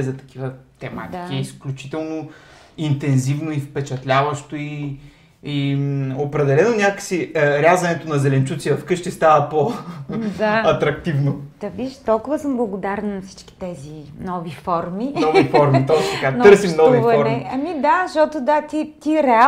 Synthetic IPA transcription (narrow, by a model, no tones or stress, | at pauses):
zɐt̪ɐ̥kivət̪ɛma̰t̪ikiisklʲut͡ʃi̥t̪ɛlˠno | int̪ɛnzivnoifpɛt͡ʃɐt̪lʲavɐʃt̪oiː | opɾɛd̪ɛlɛnonʲakəksiəɾʲjazɐnɛt̪onɐzɛlɛnt͡ʃut̪sʲivɐfkɤʃt̪ist̪avəpo | d̪aɐt̪ɾɐkt̪ivnod̪̥ɐviʃt̪ɔlˠkʊvəsəmblˠɐɡod̪aɾɛnnɐfsi̥t͡ʃkʲi̥t̪ɛzinɔvifɔɾminɔvifɔɾmit̪ɔt̪ɐkanɤɾsimnɔvivɔɾɛiɐmid̪aʃt̪ɔt̪od̪at̪it̪iɾɛa